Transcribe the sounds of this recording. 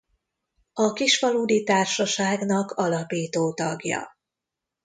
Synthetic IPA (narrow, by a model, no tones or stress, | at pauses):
ɒkiʃfɒluːd̪it̪aːrʃɒʃaːɡnɒkʰɒlɒpiːt̪oːt̪ɒɡjɒ̰